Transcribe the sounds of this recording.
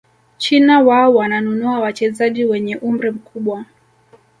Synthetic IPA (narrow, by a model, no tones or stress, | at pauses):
t͡ʃinawaɔwananunuawat͡ʃɛzaʄiwɛɲɛʔum̩ɾim̩kʰuɓwa